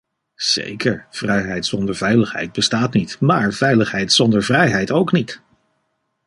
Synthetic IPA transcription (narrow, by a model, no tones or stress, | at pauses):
z̥ḛjkəɹv̥rɛjɦɛjtsɔndəɹvɛjləχɦɛ̰jd̚bəstaːtnitmaːɹv̥ɛjləχɦɛjtsɔndəɹvrɛjɦɛjtowknit